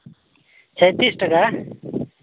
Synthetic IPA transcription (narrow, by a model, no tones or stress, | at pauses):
t͡sʰʌjt̪isʈʌka